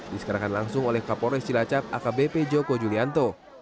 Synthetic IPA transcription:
disə̥kaɾakanlaŋsʊŋolɛhkapɔɾɔist͡ʃilat͡ʃap̚akabeped͡ʒokod͡ʒuliant̪o

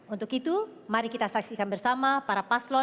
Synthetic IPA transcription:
unt̪ʊkit̪umaɾikit̪asaksikanbərsamapaɾapaslɔ

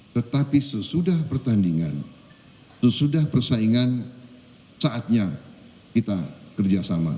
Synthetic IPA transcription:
t̪ət̪apisəsudahpərt̪andiŋan | səsudahpərsaiŋan | saʔat̪̚ɲa | kit̪akərd͡ʒasama̰

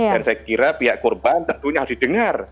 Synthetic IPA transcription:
dansajakiɾapiɦaʔkurbant̪ənt̪uɲaɦad̥id̥əŋar

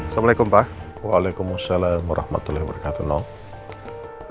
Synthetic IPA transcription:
slamalajkʊmpa | waːlakʊmasalaːmwaɾʔɑ̰hma̰t̪ulahbəɾkat̪unɔ

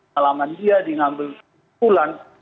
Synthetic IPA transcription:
alamandiadiŋambɪls | ulan

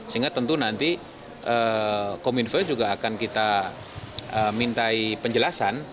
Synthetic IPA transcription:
səiŋɡat̪ənt̪unant̪i | ʔəkomunfərd͡ʒuɡaːkankit̪a | əmint̪aipəɲd͡ʒəlasan

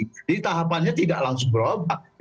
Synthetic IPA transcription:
d͡ʒadit̪aɦapanɲat̪idaʔlaŋsʊŋbəɾoba

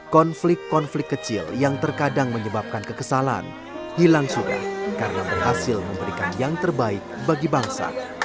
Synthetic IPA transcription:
kɔnflɪkkɔnflɪkkːət͡ʃɪljaŋt̪ərkadaŋməɲəbap̚kankəkəsala̰n | hilaŋsuda̰kaɾənabərhasɪlməmbəɾikanjaŋt̪ərbaɪk̚baɡibaŋsa̰

